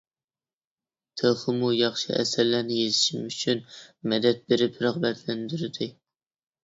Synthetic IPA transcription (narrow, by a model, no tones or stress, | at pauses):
t̪ʰəχəmujɑχʃiʔɛ̰sæɾlæɾnɪjezɪʃimyt͡ʃʰynmɛd̪ɛt̪̚beɾɪpɾɨʁbɛt̪ʰlɛnd̪yɾɪd̪ɪ